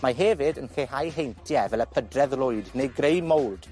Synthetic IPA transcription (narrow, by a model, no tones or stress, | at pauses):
maɦɛvɨdənkeɦajɦejntʰjɛvɛləpʰədrɛðlˠʊɨdnejɡrejmowd̥